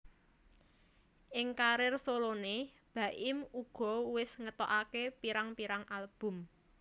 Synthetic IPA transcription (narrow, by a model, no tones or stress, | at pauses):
ʔɪŋkaɾɪrsolone | b̥ä̤ʔɪmuɡ̥ɔ̤wɪsŋət̪ɔʔakepiɾaŋpiɾaŋʔalb̥ʊ̤m